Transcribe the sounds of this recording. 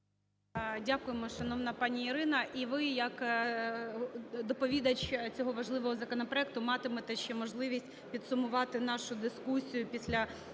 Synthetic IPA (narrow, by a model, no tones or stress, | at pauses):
dʲakʊjemɔʃɐnɔwnɐpɑnʲiːɾɪnɐʔiʋɪjɐk | d̪ɔpɔʋʲid̪ɐt͡ʃt͡sʲɔɦɔʋɐʒlˠɪʋɔɦɔzɐkɔnɔpɾɔɛk̚t̪ʊmɑt̪ɪmɛt̪ɛʃt͡ʃɛmɔʒlˠɪʋʲisʲtʲpʲid̪sʊmʊʋɑt̪ɪnɑʃʊd̪ɪskusʲijʊpʲisʲlʲɐ